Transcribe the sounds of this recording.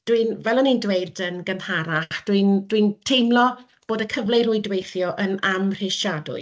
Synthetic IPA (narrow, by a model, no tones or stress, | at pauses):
d̥winvɛlˠɔnindweɨdənɡənhaɾaχd̥wind̥wintʰejmlˠɔ | b̥oːdəkʰəvlerʊjdwejθjɔʔənamr̥ɪʃadʊ̰ɨ